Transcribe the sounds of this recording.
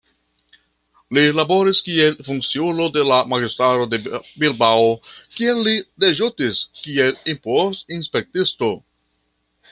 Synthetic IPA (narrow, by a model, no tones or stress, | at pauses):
lilabo̞ɾiskie̞lfuŋk̚t͡siuno̞de̞lamaɡistɾaɾo̞debilbaokielːide̞ʒutiskie̞limposinspe̞k̚tisto̞